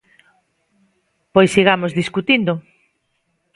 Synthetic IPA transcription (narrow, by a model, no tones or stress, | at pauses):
pojsiɣamozðiskut̪ind̪ʊ